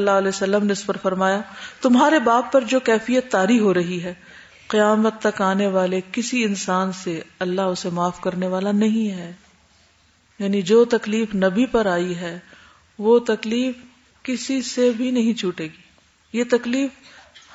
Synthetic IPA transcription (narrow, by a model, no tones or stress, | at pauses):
lːaɦɐlɛːsɐlːəmneʊsbɐɾfɐɾmaːjat̪ʊmɦaːɾebaːt̪̚pːɐɾd͡ʒoːkɛːfijət̪ːaːɾiɦoɾɐɦiɦɛː | qɪjaːmət̪ːɐkaːneʋaːlekɪsiɪnsaːnseɐlːaɦʊsemaːfkɐɾneʋaːlanɐɦĩɦɛː | jaːnid͡ʒoːt̪ɐkliːfnɐbʱipɐɾaːiɦɛː | ʋot̪ɐkliːf | kɪsisebʱinɐɦĩt͡ʃʰuːʈeːɡiː | jet̪ɐkliːf